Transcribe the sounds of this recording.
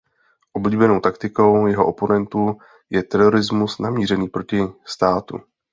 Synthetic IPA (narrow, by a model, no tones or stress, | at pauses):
ʔobliːbɛno̞wt̪akt̪ɪko̞wjɛɦoʔopo̞nɛnt̪u | jɛt̪ɛɾo̞ɾɪzmusnamiːr̝ɛniːpɾo̞cɪst̪aːt̪ṵ